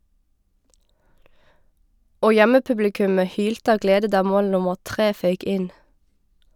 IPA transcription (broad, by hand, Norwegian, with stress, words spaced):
ˈoː ˈjɛməˌpʉblɪˌkʉmə ˈhyːltə ˈɑːʋ ˈɡleːdə ˈdɑː ˈmoːl ˈnʊməʁ ˈtʁeː ˈfœʏk ˈʔɪn